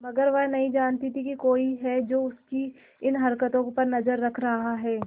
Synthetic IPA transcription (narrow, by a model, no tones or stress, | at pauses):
mɐɡəɾʋɛɦnɐɦĩd͡ʒaːnt̪it̪ʰikikoːiɦɛd͡ʒoːʊski | ɪnɦɐɾkət̪õpɐɾnɐzəɾːɐkʰɾɐɦaɦɛː